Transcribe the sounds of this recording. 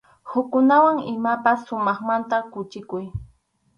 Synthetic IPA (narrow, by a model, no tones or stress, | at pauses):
hʊkːʊnawaŋɪmapasːʊmɑχmant̪akʊt͡ʃɪkʊj